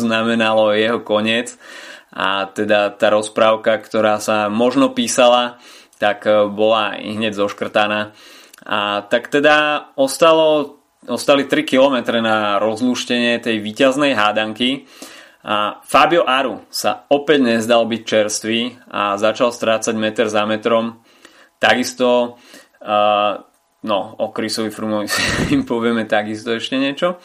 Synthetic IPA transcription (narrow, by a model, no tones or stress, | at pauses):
znamɛnalɔjɛɦɔkɔɲɪɛt͡sa̰t̪ɛd̪at̪aːɾɔspɾaːʊkakt̪ɔɾaːsamɔʒnɔpiːsalat̪akbɔlaḭɦɲɛɟzɔʃkr̩t̪anaː | at̪akt̪ɛd̪aɔst̪alɔ | ɔst̪alit̪ɾikilɔmɛt̪ɾɛnaɾɔzluʃcɛɲɪɛt̪ɛjʋiːcaznɛjɦaːd̪aŋki | ʔafabiɔʔaɾusa̰ɔpɛɟɲɛzd̪albic̚t͡ʃɛɾst̪ʋia̰zat͡ʃalst̪ɾaːt͡saɟmɛt̪ɛɾzamɛt̪ɾɔm | t̪aɡist̪ɔ | nɔɔkɾisɔʋifɾumɔʋisiimpɔʋɪɛmɛt̪aɡist̪ɔɛʃcɛɲɪɛt͡ʃɔ